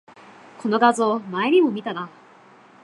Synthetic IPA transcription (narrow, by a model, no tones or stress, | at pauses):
ko̞no̞ɡazo̞ːmaeɲ̟imo̞mʲit̪ana